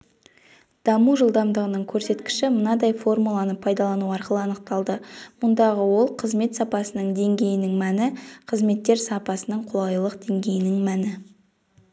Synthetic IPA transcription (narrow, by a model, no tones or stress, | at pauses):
d̪̥ɑmuʒəlˠd̪ɑmd̪əʁənəɴkʲʰɵɾse̞t̪kʲɪ̥ʃɪmənɑd̪ɑjfo̞rmulˠɑnəpʰɑjd̪ɑlˠɑnuɑɾqəlˠəɑnəq̚t̪ɑlˠd̪əmʊnd̪ɑʁəwo̞lˠqʰəzme̞t̪sɑpɑsənəɴd̪e̞ŋɡʲe̞jɪnɪŋmænɪqʰəzme̞t̪ːe̞ɾsɑpɑsənəɴqʰʊlˠɑjlˠəqd̪̥e̞ŋɡʲe̞jɪnɪŋmænɪ